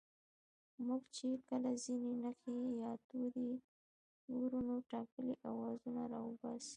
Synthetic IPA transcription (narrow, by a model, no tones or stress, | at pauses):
muɡt͡ʃekəlazinenəxejɑt̪ud̪i | ɡuɾunoʈɑkəleʔawɑzunaɾɑwəbɑsi̥